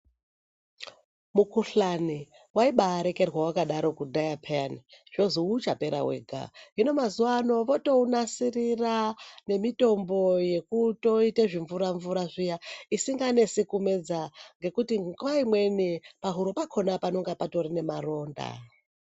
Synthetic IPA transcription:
mukuɬani | waiɓaːɾe̞ke̞rwawakaɗaɾo̞kudʱajapʰeaniʐ̥o̞zuut͡ʃape̞ɾa̰wḛːɡʱa̰ino̞mazuʋano̞ʋo̞to̞unasirirane̞mito̞mbo̞je̞kuto̞ite̞ʐiɱvuɾaɱvuɾaʐijaisiŋɡane̞sikume̞d͡zaŋɡe̞kutiŋɡwaimwe̞nipaɦuɾopakʰo̞napano̞ŋɡapato̞rine̞maro̞ːnda̰

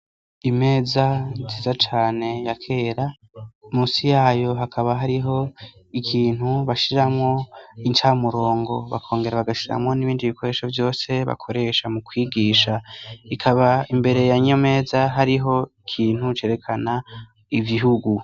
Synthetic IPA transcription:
ime̞ːzaziːzat͡ʃaːne̞jakʰe̞ːɾa | muːsijaːjo̞ɦakʰaβaɦaɾiɦo̞ | ikʰiːn̥huβaʃiɾamŋo̞int͡ʃaːmuɾo̞ːŋɡo̞βa̰kʰo̞ːŋɡe̞ɾaβaɡaʃiɾa̰mŋo̞niβiːndiβikʰo̞ɾe̞ʃovjo̞ːse̞βa̰kʰo̞ɾe̞ʃamukwiːɡiːʃaikʰaβaimbe̞ɾe̞jaɲome̞ːzaɦaɾiɦo̞ikʰiːn̥hut͡ʃe̞ːɾe̞kʰana | iviɦuɡu

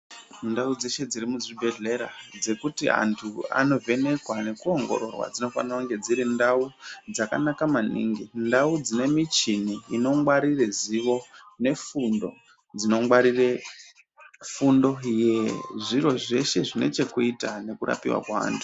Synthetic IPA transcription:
ndaud͡ze̞ʃe̞d͡zirimuzibʱe̞ɮe̞ɾa̰d͡ze̞kutia̰ntʰua̰no̞vʱe̞ne̞kwane̞kuo̞ŋɡo̞̰ɾo̞̰rwa̰d͡zino̞fa̰nirakuŋɡe̞d͡ziɾindaud͡zaka̰nakamanḭŋɡindaud͡zine̞mit͡ʃiniino̞ŋwaɾireziʋo̞ne̞fundo̞̰ | d͡zino̞ŋwaɾire̞ | fundo̞jeʐiro̞ʐe̞ʃe̞ʐine̞̰t͡ʃe̞kuitane̞kuɾʔa̰pḭwa̰kwaa̰ːntʰu̥

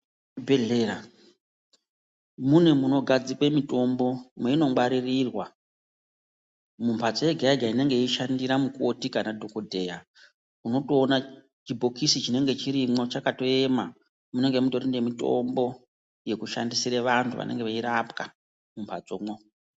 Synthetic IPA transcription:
bʱeɮeɾa | mune̞muno̞ɡʱad͡zikwe̞mito̞mbo̞mweino̞ŋɡ͡bwaɾirirwa | mumpʰad͡zo̞jeɡʱaiɡʱaine̞ŋɡe̞iʃandiɾamukotikanadʱokodʱe̞ja | uno̞toːna | t͡ʃibʱo̞kisit͡ʃine̞ŋɡe̞t͡ʃiɾimo̞t͡ʃakato̞ema̰ | mune̞ŋɡe̞muto̞ɾindemito̞̰mbo̞ | je̞kuʃa̰ndisiɾeʋantʰuʋa̰ne̞ŋɡe̞ʋeiɾapka | mumpʰad͡zomo

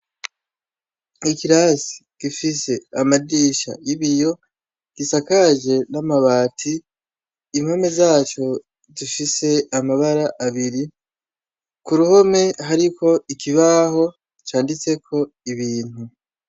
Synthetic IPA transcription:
ikiɾasi̥ɡ̥ifise̞amadiːʃa̰iβijo̞ | ɡ̥isakaʒe̞namaβaːtʰiː | mhome̞zaːt͡ʃo̞ | zifise̞amaβaɾaʔaβiɾi | kuɾuho̞me̞ɦaɾiko̞ikiβaho̞ | t͡ʃaːndit͡se̞kʰo̞ | iβiːn̥hu

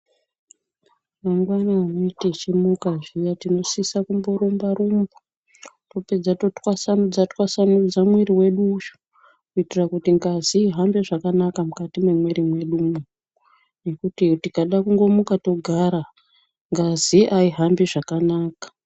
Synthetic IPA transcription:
maŋɡwanaːnoitet͡ʃimukaʐijatino̞sisakumbo̞ɾumbaɾumbu | to̞pe̞d͡zato̞twasanud͡zatwasanud͡zamwiɾiwe̞ɗuːʃo̥ | kuitirakutiŋɡaziːɦambeʐakanakamukatimwe̞mweɾimwe̞ɗumu | ne̞kutitikaɗakuŋɡo̞mukato̞ɡʱaɾa | ŋɡaziʔaiɦambiʐakanaːkḁ

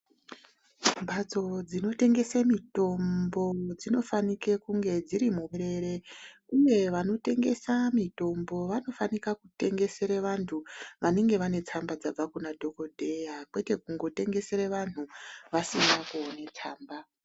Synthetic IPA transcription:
mbʱad͡zo̞d͡zino̞te̞ŋɡe̞semito̞mbo̞d͡zino̞fanike̞kuŋɡe̞d͡ziɾimuɾeɾe̞uje̞ʋano̞te̞ŋɡe̞samito̞mbo̞ʋano̞fanikakute̞ŋɡe̞se̞ɾeʋantʰuʋane̞ŋɡe̞ʋane̞t͡sambad͡zab͡vakunadʱo̞ko̞dʱe̞jakwete̞kuŋɡo̞te̞ŋɡe̞se̞ɾeʋan̤uʋasinakuonet͡saːmba

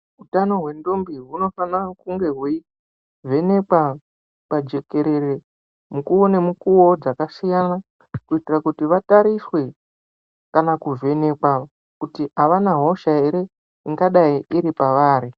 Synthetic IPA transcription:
ɦutano̞ɦwe̞ndombiɦuno̞fanakuŋɡe̞ɦu | ve̞ne̞kwa | pad͡ʒe̞ke̞ɾe̞ɾe | mukuone̞mukuwo̞d͡zakasijana | kuitirakutiʋataɾiswe̞ | kanakuve̞ne̞kwa | kutiaʋanaɦo̞ʃaeɾe̞ | iŋɡaɗaiiɾipaʋaːɾi

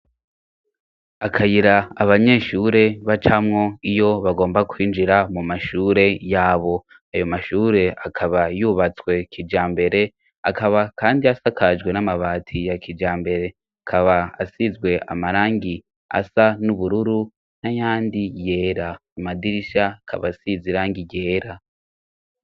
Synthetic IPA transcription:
akʰajiɾaːβaɲe̞ːʃuːɾe̞βat͡ʃamŋo̞ijo̞βaɡo̞ːmbakwiːnd͡ʒiɾamumaʃuːɾe̞jaːβo̞ | ajo̞maʃuːɾe̞akʰaβajuβat͡swe̞kʰid͡ʒaːmbe̞ɾe̞ | akaβakaːndiasakʰaʒɡwe̞namaβaːtʰijakʰid͡ʒaːmbe̞ɾe̞ | akʰaβaːsizɡwe̞ʔa̰maɾaːŋɡi | a̰sanuβuɾuɾu | najaːndije̞ːɾaumadiɾiʃakʰa̰βasiziɾaːŋɡiɟeːɾa

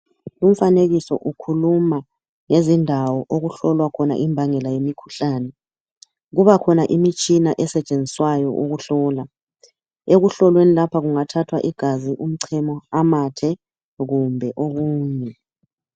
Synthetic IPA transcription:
lum̩faneɣisɔ̰ʔukʰuluma | ŋezindʱawɔʔoɣuɬɔlwakʰɔna̰ʔimbʱaŋɛlajemikʰu̥ɬaːnɛ | ɣuβakʰɔnaʔimit͡ʃʼinaʔɛsɛt͡ʃʼend͡zʱiswajɔ̰ʔuɣuɬɔːla | eɣuɬɔlwenilapʰaɣuŋatʰatʰwa̰ʔiɡ̥ʱaziʔum̩ǀʰɛmɔamatʰɛ | ɣumbʱɛʔoɣuːɲɛ

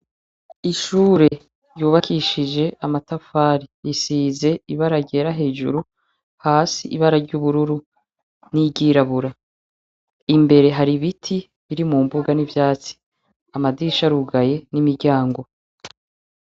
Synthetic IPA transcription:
iʃuːɾe̞ | ɾjuːβakʰiʃid͡ʒe̞ʔamatafaːɾijisiːze̞iβaɾaɟe̞ɾaɦe̞ːʒṵɾu | haːsiʔiβaɾaɾɟuːβuɾuɾu | niɟiːɾaβuɾa | imbe̞ɾe̞ɦaɾiβitʰi | βiɾimumbuɡanivjaːt͡si̥ | amadiʃaɾuɡaje̞nimiɾɟaːŋɡo̞

